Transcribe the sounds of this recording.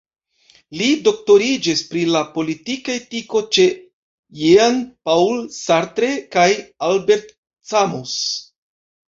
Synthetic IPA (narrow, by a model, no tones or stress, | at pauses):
lido̞k̚to̞ɾid͡ʒispɾilapo̞litikaetiko̞t͡ʃe̞ | jeanpawlsaɾtɾe̞kajalbe̞ɾt̚ | samus